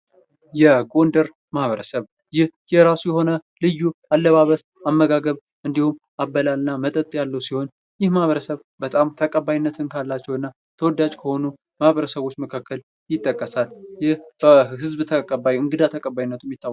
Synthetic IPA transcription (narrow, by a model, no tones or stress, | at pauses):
jɛɡo̞nd̪əɾ | mahβəɾəsəβ | jɪhjɛɾasujɛɦo̞nəlɨjːualːəβaβəs | amːəɡaɡəβ | ʔɨnd̪ihum | abːəlalɨnːamət̪ʼət̪ʼjalːəwsiho̞n | jɪhmahβəɾəsəβ | bət̪ʼamt̪ʰəkʼəbːajinːət̪ʰɨnkʰalːat͡ʃːɛwɨnːa | t̪ʰəwɔd̪ːad͡ʒkʰəho̞nu | mahβəɾəsəβo̞t͡ʃːməkʰakːəl | jɪt̪ʼːəkʼːəsaljɪhb̥əhɨzbt̪ʰəkʼəbajɨŋɡɨd̪at̪ʰəkʼəbajinːət̪ʰumjɪt̪ʰːaw